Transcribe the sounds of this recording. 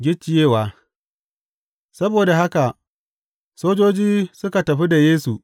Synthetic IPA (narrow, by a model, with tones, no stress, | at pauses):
ɡʲɪ˦t͡ʃːɪ˨jeː˦˨waː˨ | sɐ˦boː˨da˨ha˦ka˨ | soː˦d͡ʒoː˦d͡ʒiː˦sʊ˦ka˨tɐ˨ɸi˦da˨jeː˦su˨